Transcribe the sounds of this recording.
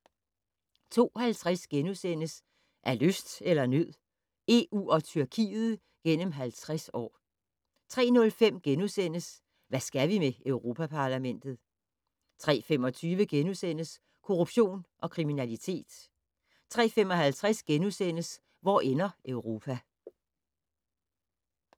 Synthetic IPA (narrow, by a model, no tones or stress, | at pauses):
t͡sʰo̝̰ːhælt͡sʰʁasɡ̥enusen̰əs | ʔæɐløsd̥elɐnøð̰ˠ | e̝ṵːɒ̽t͡sʰyɐkʰḭːð̩ˠ | ɡ̥en̰əmɦælt͡sʰʁasɒ̰ː | t͡sʰʁɛ̰ːnɔ̽lfem̰ɡ̥enusen̰əs | ʋæsɡ̥æʋimeøʊʁo̝ːpʰæpʰɑ̈læmen̰d̥ð̞̩ˠ | t͡sʰʁɛ̰ːfem̰ɒ̽t͡sʰyːʋəɡ̥enusen̰əs | kʰo̝ʁub̥ɕo̝̰ːnʔɒ̽kʰʁiminælit͡sʰe̝̰ːd̥ | t͡sʰʁɛ̰ːfemɒ̽ɦælt͡sʰʁasɡ̥enusen̰əs | ʋɒ̰ːʔenɐœʊʁo̝ːpʰæ